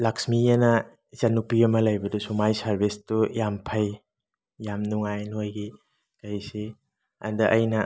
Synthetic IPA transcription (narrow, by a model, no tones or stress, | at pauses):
laksmiɐnɐ | zanupiɐmɐlɐjbɐdusumajsaɾbistujampʰɐj | jamnuŋajnojɡi | kajsi | ɐ̰ndɐʔɐjnɐ